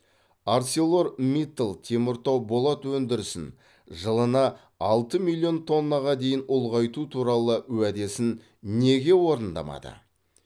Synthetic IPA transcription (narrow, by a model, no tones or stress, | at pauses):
aɾt̪selˠo̞ɾmʲit̪ːlˠt̪ʲʰemɪɾt̪ɑwbo̞lˠɑt̪wɵnd̪ɪɾɪsɪn | ʒəlˠənɑ | ɑlˠt̪əmilʲˠːjo̞nt̪ʰo̞nːɑʁɑd̪e̞jɪnʊlˠʁɑjt̪ut̪ʰuɾɑlˠəʔʉæd̪e̞sɪn | ne̞ɡʲe̞wo̞ɾənd̪ɑ̰mɑ̰d̪ə̰